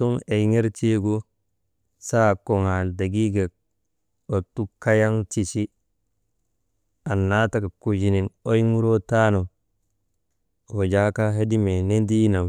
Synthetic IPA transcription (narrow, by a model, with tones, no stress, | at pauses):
tu˦me˨ŋe˦ɾti˦ɡu˦ | sa˦˨ko˨ŋa˨da˨ɡi˦ɡe˨ | o˨tu˦ka˦ja˦ŋti˨si˦ | a˨nːa˦ta˦ka˨ku˨d͡ʒi˨ni˨no˦jmu˦ɾo˦ta˦no˨ | o˨d͡ʒa˦ka˦ɦe˦di˦me˨ne˦ndi˦na˨m